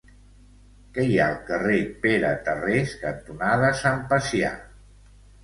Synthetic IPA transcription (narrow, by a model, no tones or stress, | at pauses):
kɛja̰lˠkərepeɾət̪əreskənt̪unaðəsampəsja̰